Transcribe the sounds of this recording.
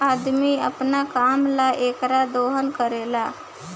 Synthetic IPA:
ad̪miə̰pnakamlaʔeːkɾad̪oɦənkəɾela

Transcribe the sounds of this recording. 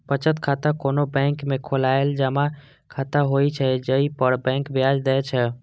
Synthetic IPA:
pət͡ʃət̪kʰat̪akonobɛ̃ŋkmekʰolaeld͡ʒəma | kʰat̪aɦojt͡ʃʰɛd͡ʒəipəɾbɛ̃ŋkbjad͡ʒd̪ɛt͡ʃʰɛ

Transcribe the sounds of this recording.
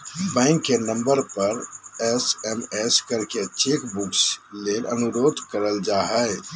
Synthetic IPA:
bɛ̃ːŋkːenə̃mbəɾpəɾɛsɛmɛskəɾket͡ʃekbuksleːlə̰nuɾoːd̪ʱkəɾəld͡ʒaːɦɛ

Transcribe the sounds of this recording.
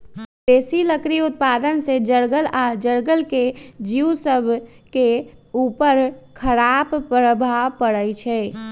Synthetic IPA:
beːsiləkɾiʊt̪̚paːd̪ənsed͡ʒəɽɡəlaːd͡ʒəɽɡəlked͡ʒiusəbʱ | keuːpəɾkʰəɾaːbpɾəbʱapəɽət͡ʃʰɛː

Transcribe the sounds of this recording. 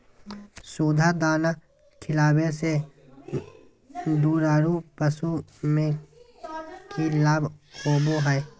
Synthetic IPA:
soːd̪ʱad̪aːna | kʰɪlaːwese | ɖ̪uːɾaːɾupəsumẽ | kilaːbʱkoːboɦɛː

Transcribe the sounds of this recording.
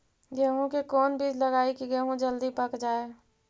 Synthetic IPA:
jəɦũkekɔːnbʱid͡ʒləɡaːikiɡəɦũd͡ʒəld̪ipəkd͡ʒaːe

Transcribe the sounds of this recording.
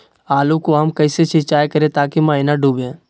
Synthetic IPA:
aːlũkoɦɐmkɐːset͡ʃɪt͡ʃaːjkɐɾẽt̪aːkimãːɦɪnaɖuːbẽː

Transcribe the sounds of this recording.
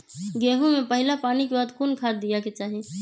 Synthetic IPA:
ɡɛːɦõmẽpəɦɪlapaːnikebaːd̪kʰuːnkʰaːt̪̚d̪ijaket͡ʃaːɦe

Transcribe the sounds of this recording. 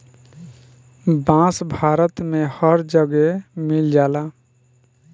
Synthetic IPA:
bãːsbʱaːɾət̪mẽhəɾd͡ʒəɡemɪld͡ʒaːlaː

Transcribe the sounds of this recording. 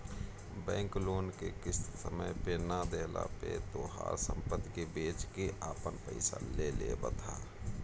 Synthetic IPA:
bɛ̃ːŋkloːnkekɪssəməjpenad̪eːla̰pet̪oːɦa̰ːɾsə̰̃mpəd̪kebeːt͡ʃkeʔaːpənpəɪsa̰leːlebət̪ʰaː

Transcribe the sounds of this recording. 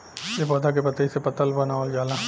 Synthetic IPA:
jepɔːd̪ʱak̬epɐt̪aisepɐt̪əlbɐnaːold͡ʒaːlãː

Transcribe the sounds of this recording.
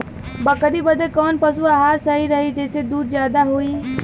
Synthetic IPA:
bəkəɗiːbəd̪eːkɔːnpəsuaɦaːɾsəɦiːɾɐɦid͡ʒeːsed̪uːd̪̚d͡ʒjaːd̪aɦoiː

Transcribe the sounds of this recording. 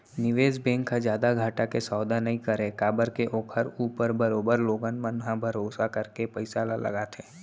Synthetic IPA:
nɪʋeːd͡ʒbẽːŋkʰãd͡ʒjaːd̪aɡʱaːʈakesɔːd̪anɐɦĩkəɾẽkaːbəɾkeʔoːkʰəɾuːpəɾbəɾoːbəɾloːɡənmənɦãbʱəɾoːsakəɾkepəɪsalalɐ̰ɡaːt̪ʰẽː

